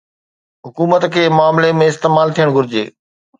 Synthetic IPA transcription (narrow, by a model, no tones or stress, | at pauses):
ɦʊkuːmət̪kʰeːmʊaːmlemẽɪst̪eːmaːlt̪ʰijəɽ̃ɡʱʊɾɪd͡ʑḛː